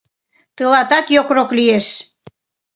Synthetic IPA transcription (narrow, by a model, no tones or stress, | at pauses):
t̪əlɑt̪ɑkjokroklieʃ